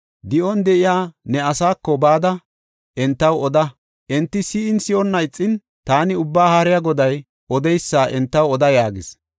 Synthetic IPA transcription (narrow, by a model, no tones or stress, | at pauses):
d̪ɪʔɔnd̪ɛʔɪjaːnɛɐsaːkːɔbaːd̪ɐ | ʔɛnt̪ːɐwɔd̪ɐ | ʔɛnt̪ːɪsiɪnsɪʔɔnːɐjt͡sʼːɪn | t̪aːnɪʊbːaːhaɾɪjaɡɔd̪ɐj | ɔd̪ɛjsːaːʔɛnt̪ːɐwɔd̪ɐjaːɡɪs